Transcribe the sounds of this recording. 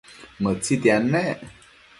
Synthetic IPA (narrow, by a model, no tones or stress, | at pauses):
mət͡sit̪janːe